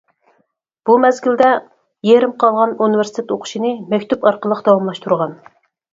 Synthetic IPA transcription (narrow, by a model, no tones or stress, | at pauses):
b̥umɛzɡʲild̪ɛ | jeɾɪmqʰɑlˠʁɑnunɨvɪɾst̪ʰɪt̪oqʰʊ̥ʃinɨmɛkʲt̪upɑɾqəlˠəqd̪ɑwɑmlˠɑʃt̪ʰuɾʁɑn